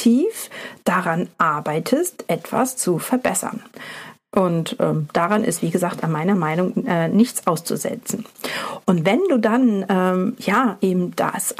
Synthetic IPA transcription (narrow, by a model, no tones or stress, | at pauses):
iːfd̥aʁanʔaɐbaɪtʰəstʔɛtv̥a̰st͡sufɛɐbɛsɐ̰nʔʊntʔɛːmd̥aʁanʔɪ̰stv̥iːɡəzaːktanmaɪnɐmaɪnʊŋʔɛːnɪçt͡sʔaʊst͡sṵzɛ̰t͡sn̩ʔʊntvɛnduːdanʔɛːmjaːʔeːbm̩d̥a̰s